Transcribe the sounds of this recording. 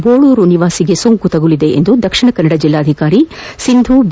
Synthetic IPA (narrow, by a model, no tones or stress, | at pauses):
boːɭuːɾuniʋaːsiɡe̞soŋkut̪ɐɡulid̪e̞ʔḛnd̪ud̪ɐkʂiɳɐkɐnːɐɽɐd͡ʒilːaːd̪ʱikaːɾisind̪ʱub